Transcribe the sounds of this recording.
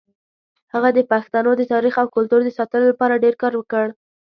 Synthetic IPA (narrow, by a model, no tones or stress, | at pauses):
haɣad̪əpaxt̪ɑnod̪ət̪ɑɾixawkʊlt̪uɾd̪əsɑt̪əlolapɑɾaɖeɾkɑɾwəkəɽ